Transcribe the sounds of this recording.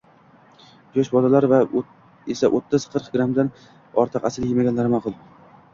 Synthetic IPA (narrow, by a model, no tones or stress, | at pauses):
d͡ʒɒʃbɒlalaɾva | esaʔot̪ʰːɪzqʰɨɾqɡɾamd̪an | ɒɾt̪ʰɨqasɪljemaɡʲanlaɾɪmaqʰʊlˠ